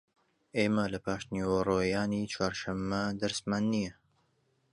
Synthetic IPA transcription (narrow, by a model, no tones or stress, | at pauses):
ʔeːmɐlɐpʰaːʃt̪niwɐrˤoːjaːnit͡ʃʰwaːɾʃɐmːɐd̪ɐɾsmaːnːijɛ